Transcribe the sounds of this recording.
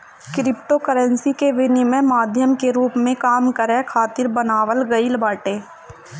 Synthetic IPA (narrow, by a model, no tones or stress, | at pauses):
kɾɪpʈokəɾə̃nsikeʋɪnimə̃maːd̪ʱjəmkeɾuːpmẽkaːmkəɾɛkʰaːt̪ɪɾbənaːʋəlɡəilbaːʈeː